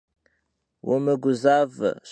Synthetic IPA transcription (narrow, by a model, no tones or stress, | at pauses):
wə̰məɡʷʊzavs